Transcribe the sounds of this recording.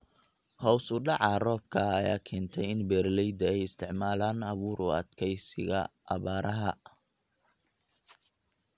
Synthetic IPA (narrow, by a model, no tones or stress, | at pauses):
hɔːwsʊɖɑʕɑːrɔːb̚kʰɐːja̰ːkʰɛːnt̪ʰɛjɪnbɛɾlɛjd̪ɐɛjɪst̪ʰɪʕmaːlaːnɐβuːɾʔʊɐ̰d̪kʰɛjsɪ̰ɣɐ̰ʔːβaːɾɐɦɐ